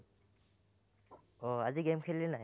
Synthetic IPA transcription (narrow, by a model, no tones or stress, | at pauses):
ɔaziɡemkʰellɛnaj